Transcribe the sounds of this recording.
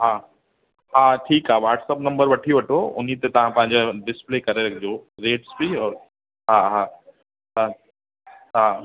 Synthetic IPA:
ɦaː | ɦaːʈʰiːkɦaːʋaːʈsəpnɐ̃mbəɾʋɐʈʰioʋɐʈʰoʊ̰n̤it̪et̪ɐʋ̤ãpɐ̃ɦɪɲ̆d͡ʑaɖɪsplekɐɾeɾɐkʰd͡ʑoɾeːʈsbiɔːɾ | ɦaɦaː | t̪ɐ̃ | ɦa

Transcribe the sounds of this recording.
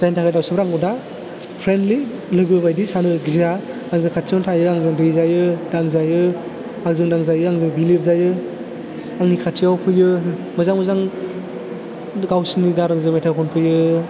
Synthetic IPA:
z̥ajntʰakʰajdawsɯbɾaŋɔda | pʰɾendli | lɯɡɯbajdisanɯɡiza | aŋzɯŋkʰatʰiawntʰajɯaŋzɯŋdɯjzajɯdaŋzajɯ | aŋzɯŋdaŋzajɯaŋzɯŋbiliɾzajɯ | aŋnikʰattʰiawpʰɯjɯ | mɯzaŋmɯzaŋ | ɡawsinidaɾaŋzɯŋmetʰakʰɔnpʰɯjɯ

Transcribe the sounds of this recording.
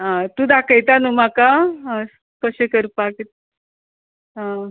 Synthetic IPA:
ãt̪ud̪akəjt̪anumaka | kəɕekəɾpakt̪̚ | ã

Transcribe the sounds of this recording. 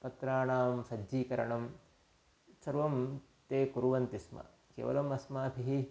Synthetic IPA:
pɐt̪ɾaːɳaːmsɐd͡ʒiːkɐɾɐ̰ɳɐm | sɐɾʋɐm | t̪eːkuɾuʋɐnt̪ismɐ̰ | kḛːʋɐ̰lɐmɐsmaːpʰiɦi

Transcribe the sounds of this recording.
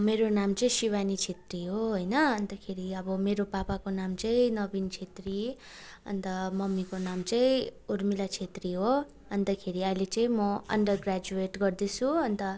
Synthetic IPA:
meɾonamt͡sʌĩsiwanit͡sʰet̪riɦoɦojnʌʌnt̪ʌkʰeɾiʌbʌmeɾopapakonamt͡sʌĩnʌbint͡sʰet̪ri | ʌ̰nt̪ʌmʌmːikonamt͡sʌĩuɾmilat͡sʰet̪riɦo | ʌnt̪ʌkʰeɾiʌjlet͡sʌĩmʌʌ̰ɳɖʌrɡrad͡zueʈɡʌrd̪et͡sʰuʌnt̪ʌ

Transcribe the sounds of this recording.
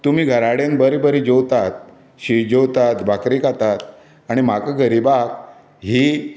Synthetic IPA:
t̪um̤iːɡʱəɾaɽenbəɾibəɾid͡ʑowt̪at̪̚ | ɕid͡ʑowt̪at̪bakɾikat̪at̪ | aɽ̃imakaɡəɾibak | ɦiː

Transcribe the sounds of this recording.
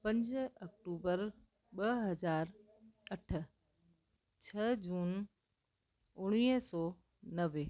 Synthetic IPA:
pɐ̃ɲd͡ʑɐk̚ʈuːbəɾ | ɓɐɦɐzaːɾ | ɐʈʰə̆ | t͡ɕʰɐd͡ʑuːn | ʊɽ̃iːɦsɔː | nɐʋe

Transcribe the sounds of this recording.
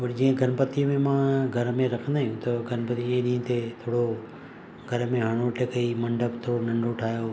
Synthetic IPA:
pɐɾd͡ʑĩːə̃ɡʱɐnpɐt̪iːmẽmãːɡʱɐɾmẽɾɐkʰə̃nd̪aːɦijũt̪ɐɡʱɐnpət̪ieɗĩːə̃t̪et̪ʰoːɽo | ɡʱɐɾmẽɦɐɽ̃oʈʰekɐimɐ̃ɳɖʱəpt̪ʰoːɾonɐ̃ɳɖʱoʈʰaːjo

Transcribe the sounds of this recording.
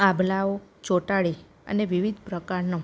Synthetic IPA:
ãbʱlaot͡ʃoʈaɭi | ə̰neʋiʋid̪ʱpɾəkaɾno

